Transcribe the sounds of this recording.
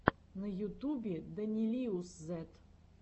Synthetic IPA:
nəjʊt̪ubʲɪd̪ɐnʲilʲiuszɛt̪

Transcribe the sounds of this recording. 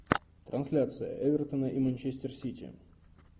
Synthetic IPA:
t̪ɾʔɐnsʲlʲat̪sɨjə̰ʔɛvʲert̪ənəʔimɐnʲt͡ɕesʲtʲɪrsʲitʲʰɪ̰

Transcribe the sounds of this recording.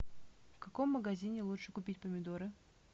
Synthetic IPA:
fkɐkomːəɡɐzʲinʲɪlˠutʂɨkʊpʲitʲpəmʲɪd̪oɾɨ

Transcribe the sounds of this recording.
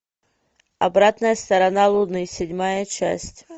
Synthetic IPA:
ɐ̰bɾat̪nəjəst̪ɐɾɐnalˠʊd̪nɨsʲɪdʲmajət͡ɕæ̰sʲtʲ

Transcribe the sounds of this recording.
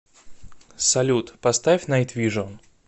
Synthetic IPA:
sɐlʲut̪pɐst̪afʲnɐjt̪vʲiʐon

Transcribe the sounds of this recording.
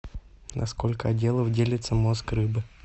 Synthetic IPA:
nʔɐ̰sko̞lʲkəɐdʲe̞lˠəvdʲelʲɪt̪səmo̞skrɨbɨ

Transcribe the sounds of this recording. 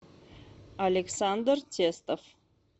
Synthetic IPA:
alʲeksand̪rtʰʲest̪of

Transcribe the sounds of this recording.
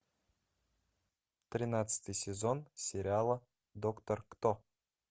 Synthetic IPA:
t̪rʲinat̪sɨ̥t̪ɨjsʲezo̞nsʲeɾʲɪalˠə | d̪okt̪orkt̪o

